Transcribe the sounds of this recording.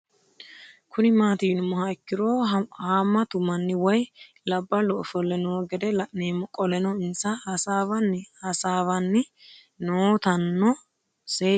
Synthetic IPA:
kʊnɪmaːt̪iːnʊmːɐhɐɪkːɪɾoːhaːmːɐt̪ʊmɐnːɪwɔj | lɐbːɐlɔɔfɔlːɛnɔɡɛd̪ɛneːmɔkʼɔlɛnɔɪnsɐhsaːbɐnːhɐsaːβɐnːɪ | noːt̪ɐnːɔ | seː

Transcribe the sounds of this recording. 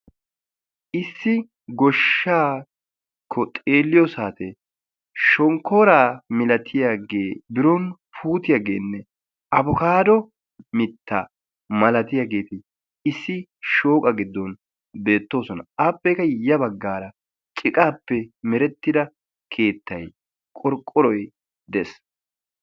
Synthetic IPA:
ʔɪsːɪ | ɡɔʃːaː | kʰːɔt̪ʼeːlːɪjɔsaːt̪ɛ | ʃɔŋkʰoːɾaːmɪlɐt̪ʰɪjaɡeːbɪɾɔnpʰuːt̪ɪjaɡe̞ːnːɛ | ɐbʊkaːd̪ɔ | mɪt̪ːa̰ | mɐlɐt̪ɪjaːɡe̞ːt̪ɪ | ɪsːɪʃo̞ːkʼɐɡɪd̪ːɔn | be̞ːt̪ːo̞ːsɔnɐ̰aːpːɛjkɐjɐbɐɡːaːɾɐ | t͡ʃʼɪkʼaːpːɛmɛɾɛt̪ːɪd̪ɐ | kʰe̞ːt̪ːɐj | kʼɔɾkʼːɔɾɔj | d̪ɛs

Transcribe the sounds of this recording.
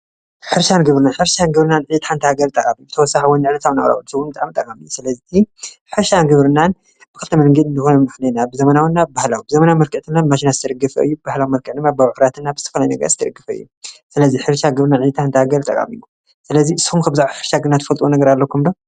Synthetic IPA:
ħɨɾʃanɡɐβɾɨnanħɨɾʃanɡɐβɾɨnanʕjɨt̪ʰaħant̪ʰɐhaɡɐɾt̪ʼɐkʼamibɨt̪ʰɐwɔsːaħawɔndɨʕnɐt̪ʰawna̰ʔʼɾa̰wubɨsɨwunbɨt̪ʼaʕmt̪ʼɐkʼamijsɨlɐziħɨɾʃanɡɐβɾɨnan | bɨkɨlt̪ʰɐmɐlŋɡit̪ɨnt̪ʰɨxonɐmɨxnenabɨzɐmanawnːabahlawibɨzɐmanawmɐɾkɨʕd̪ɨmːamaʃinazɨt̪ʰɐd̪ɐɡɐfɐ̰ɨ̰jːubbahlawimɐɾkʰʼɨʕd̪ɨmːabawʕɾat̪ʰɨnːabɨzɨt̪ʰɐ̥fɐlajnɐɡɐ̰ɾzɨt̪ʰɐd̪ɐɡːɨfɐɨ̰jːu | sɨlɐziħɨɾʃaɡɨβɾɨnanʕijɨt̪ʰaħant̪ʰɐhaɡɐɾt̪ʼɐ̰kʼa̰mḭju | sɨlɐziɨsu̥humkʰɐbzaʕʕuħɨɾʃaɡɨnat̪ʰɨfɐlt̪ʼwunɐɡɐɾalːɐkʰumd̪o

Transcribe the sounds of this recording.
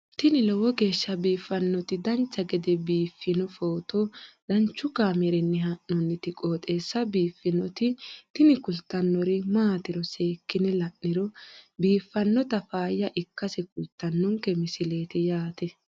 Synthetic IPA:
t̪ɪnɪlɔwɔɡe̞ːʃːɐbiːfːɐnːɔt̪ɪd̪ɐnt͡ʃːɐɡɛd̪ɛbiːfːɪnɔfoːt̪ɔd̪̥ɐnt͡ʃːʊkaːmɛɾɛnːɛɦɐʔɔnːɪt̪ɪkʼo̞ːt̪ʼe̞ːsːɐbiːfːɪnɔt̪ɪt̪ɪnɪkʊlt̪ːɐnːɔɾɪmaːt̪ɪɾɔse̞ːkːɪnɛlɐʔːɪɾɔbiːfːɐnːɔt̪ɐfaːjːɐʔɪkːɐsɛkʊlt̪ːɐnːɔŋkːɛmɪsɪle̞ːt̪ɪjaːt̪ɛ

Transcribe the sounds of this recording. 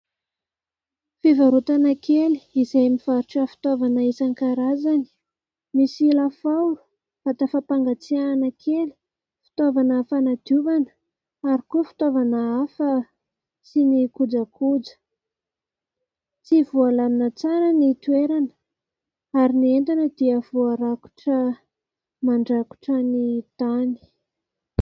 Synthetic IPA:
fivaɾut̪anakeli̥izajmifaɾuʈ͡ʂafi̥t̪ovanəesaŋkaɾazani̥ | misilafawɾu̥ | fat̪afapaŋɡat͡sianəkʰeli̥ | fi̥t̪ovanəfanad̪̥juvanə̥ | aɾikufi̥t̪ovanəafə | sinikud͡zakud͡zə̥ | t͡sivualaminat͡saɾənit̪ueɾanə̥ | aɾinient̪anəd̪iəvoaɾaku̥ʈ͡ʂə | maɳɖ͡ʐaku̥ʈ͡ʂənit̪ani̥

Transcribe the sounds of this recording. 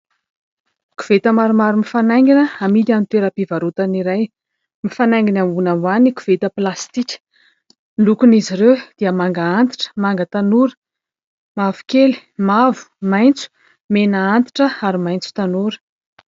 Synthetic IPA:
ku̥v̥et̪əmaɾumaɾumifanajŋɡinəamit̪anit̪eɾapivaɾut̪aniɾaj | mifanaŋɡinamunamaniku̥v̥et̪əplast̪ikʲə̥ | lukuniziɾewd̪̥iəmaŋɡaant̪i̥ʈ͡ʂə̥maŋɡət̪anuɾə̥ | mavu̥keli̥mavu̥majnt͡su̥ | menaant̪i̥ʈ͡ʂəaɾimajnt͡su̥t̪anuɾə̥

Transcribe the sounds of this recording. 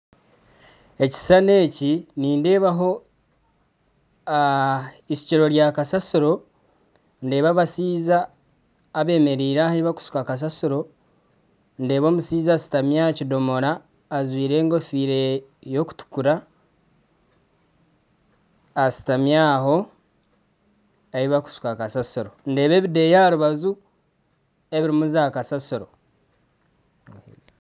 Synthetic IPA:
e̞ci̥sane̞ːciniːnde̞ːβaɦo̞ | isi̥ciɾo̞ɾjaːkasasuɾo̞ | nde̞ːβaβasiːzaː | βe̞ːme̞ɾiːɾaːhaβaku̥su̥kakas̬asuɾo̞ | nde̞ːβo̞ːmusiːzasi̥tamjacido̞mo̞ɾaː | zwiːɾe̞ːŋɡo̞fiːɾejo̞ku̥tu̥kuɾa | si̥tamjaːɦo̞ | eiβaku̥su̥kakasasoɾo̞nde̞ːβe̞ːβide̞jaɾuβazu | e̞βiɾimuzaːkasasuɾo̰

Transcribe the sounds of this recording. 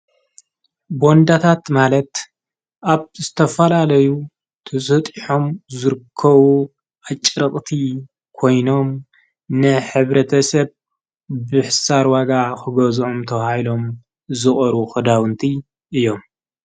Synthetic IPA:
bo̞nd̪at̪ʰat̪malɐt̪ | ʔaβzɨt̪ʰɐfɐlalɐju | t̪ʰɐsʼɐt̪ʼiħomzɨɾɨkʰːɐβu | at͡ʃʼːɾɐqʼt̪ʰi | kʰo̞jno̞m | nɨħɨβɾɐt̪ʰɐsɐβ | bɨħɨsaɾwaɡakɨɡɐzomt̪ʰɐhajlo̞m | zɨχʼɔɾuxɨd̪awɨnt̪ʰi | ʔɨjo̞m

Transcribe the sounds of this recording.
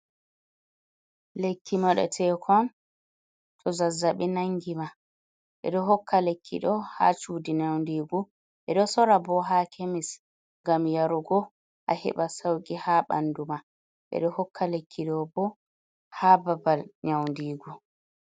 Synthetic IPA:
lekːimɔɗɛ̰tʰɛːkʰɔn | tʰɔzazaɓɛnaŋɡima | ɓɛ̰ɗɔɦɔkːalekʰːḭɗɔha̰t͡ʃuːdiɲawndiːɡu | ɓɛɗɔsɔɾabɔɦakʰemis | ŋɡamjaɾuɡɔ | ʔa̰hɛ̰ɓasawɡihaɓa̰nduma | ɓɛ̰ɗɔhɔkʰːalekʰːiɗɔbɔ | haːbabalɲawndiːɡu

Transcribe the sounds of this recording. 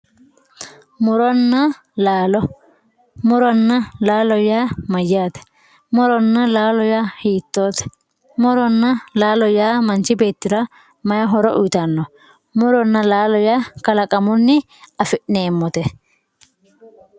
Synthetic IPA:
mʊɾɔnːa | laːlɔ | mʊɾɔnːɐlaːlɔjaːmɐjːaːt̪ɛ̥ | mʊɾɔnːɐlaːlɔjaːhiːt̪ːoːt̪ɛ̥ | mʊɾɔnːɐlaːlɔjaːmɐnt͡ʃɪbeːt̪ːɪɾa | mɐjɐɦɔɾɔʔʊt̪ɐnːɔ | mʊɾɔnːɐlaːlɔjaːkɐlɐkʼɐmʊnːɪ | ɐfɪʔneːmːɔt̪ɛ

